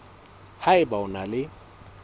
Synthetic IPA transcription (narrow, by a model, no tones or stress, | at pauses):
haɪbaʊnalɪ